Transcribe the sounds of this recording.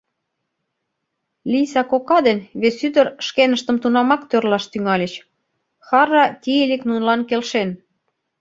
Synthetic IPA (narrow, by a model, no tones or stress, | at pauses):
lʲisɑkokɑd̪enβesyd̪ə̆rʃkenə̆ʃt̪ə̆mt̪unɑmɑkt̪ørlɑʃt̪yŋɑlʲet͡ɕ | xɑɾɑt̪ʲieleknunlɑnkelʃen